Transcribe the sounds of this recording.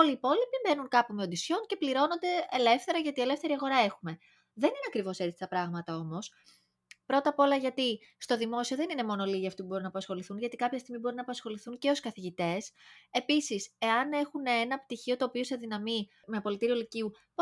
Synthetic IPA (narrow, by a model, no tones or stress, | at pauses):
oliːpo̞lipibe̞nuŋkɐpumeod̪isço̞nce̞pliɾo̞no̞nd̪e̞ele̞fθe̞ɾɐʝɐt̪ie̞le̞fθe̞ɾiɐɣo̞ɾɐe̞xume̞ | ðe̞nineɐkɾivo̞se̞t̪i̥t̪ɐpɾɐɣmɐt̪ɐo̞mo̞s | pɾo̞t̪ɐpo̞lɐʝɐt̪ist̪o̞ðimo̞sioðenine̞mo̞no̞liʝiɐft̪ipubo̞ɾinɐpɐsxo̞liθunʝɐt̪ikɐpçɐst̪iɣmibo̞ɾinɐːpɐsxo̞liθunce̞o̞skɐθiʝit̪e̞se̞pisise̞ɐne̞xuneenɐpt̪içio̞t̪oːpioseðinɐmi | meɐpo̞lit̪iɾio̞liciu | p